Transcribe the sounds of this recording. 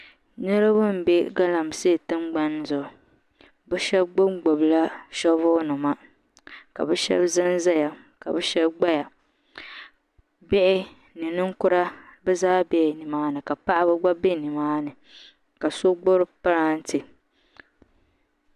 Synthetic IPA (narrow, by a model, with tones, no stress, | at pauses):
nɨ˦ɾɨ˦bɨ˦m̩˨be˦ɡa˦la˨m˨se˦˨tɨ˦mɡ͡ba˦n˦zʊ˨ | bɛ˦ʃɛ˦bɡ͡bʊ˦ŋ͡mɡ͡bo˨bla˦ʃɔ˦vʊː˦nʊ˨ma˦ | ka˨bɛ˦ʃɛ̰˦bzɨ˦n˦za˦ja˨ | ka̰˨bɛ˦ʃɛ˦bɡ͡ba˦ja˨ | bɛ˦ʔɪ˦ | nɨ˨nɨ˦ŋ˦kʊ˦ɾa˦bɨ˦zaː˦bɛ˨nɨ˨maː˦nɨ˨ka˨pa˦ʔa˦bɨ˦ɡ͡ba˦be˦ni˨maː˦nɨ˨ | ka˨so˦ɡ͡bo˦ɾɨ˦pa˦ɾa˦n̩˦tɨ˨